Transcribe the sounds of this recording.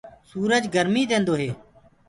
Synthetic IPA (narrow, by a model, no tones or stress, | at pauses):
suːɾəd͡ʒɡəɾmiːd̪ẽːnd̪oːɦeː